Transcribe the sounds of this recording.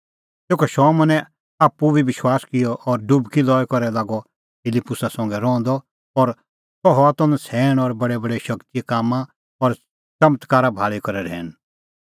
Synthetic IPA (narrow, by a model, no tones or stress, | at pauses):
t̪eːkɔʃɔːmɔ̃nɛ̃ | aːpːubʱiʋɪʃwaːskɪjɔʔɔɾɖʊbkilɔːjkɔɾɛlaːɡɔ | pʰɪlipːʊsasɐ̃ŋɡɛɾɔ̃ːnd̪ɔ | ɔɾ | t̪ɔɦɔat̪ɔ̃nsʰɛːɽ̃ɔɾbɐɽɛbɐɽeʃɐkt̪ijekaːmã | ɔɾ | t͡ʃɐmət̪kaːɾabʱaːɭikɐɾɛɾɛ̰ːɽ̃